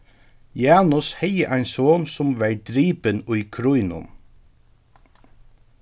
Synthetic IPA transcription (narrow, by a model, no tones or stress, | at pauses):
jɑːnʊshɛjəʔæɪnsoːnsʊmʋæɹd̪ɾiːpənʊjkʰɾujnʊ̰n